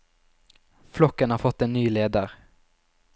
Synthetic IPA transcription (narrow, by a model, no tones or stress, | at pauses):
flɔkːənhaːɾfɔt̪ːeːnːyːleːd̪ɑʁ